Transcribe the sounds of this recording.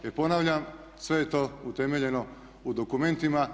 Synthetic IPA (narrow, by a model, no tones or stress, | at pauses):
epo̞naʋʎam | sʋe̞jet̪o̞ːut̪e̞me̞ʎe̞no̞ | ud̪o̞kume̞nt̪ima